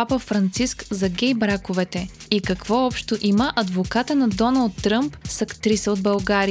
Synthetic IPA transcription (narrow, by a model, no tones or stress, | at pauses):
apəfɾɐnt̪siskzɐɡʲɛjbɾakʊvɛt̪ɛ | ikɐkvɔɔpʃt̪oʔiməʔɐd̪vokat̪ənɐd̪ɔnɐlˠt̪ːɾəmpsɐkt̪ɾisəod̪bɐlˠɡaɾi